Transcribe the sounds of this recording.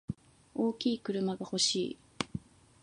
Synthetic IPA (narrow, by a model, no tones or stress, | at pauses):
o̞ːkʲiːkɯ̟ɾɯ̟maɡaho̞ɕiː